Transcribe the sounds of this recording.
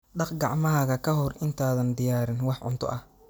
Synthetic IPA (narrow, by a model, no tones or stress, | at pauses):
ɖɑqɡɑʕmɐɦɐɣɐkʰɐɦɔrʔɪnt̪ʰaːðɐnd̪ɪjaːɾɪnwɑħʕʊ̰nt̪ʰɔ̰ʔɐh